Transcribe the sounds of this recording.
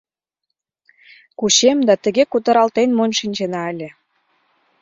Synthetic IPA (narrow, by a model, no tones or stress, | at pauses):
kuɕemd̪ɑt̪ə̆ɣekut̪ə̆ɾɑlt̪enmonʲʃinʲt͡ɕenɑə̆lʲĕ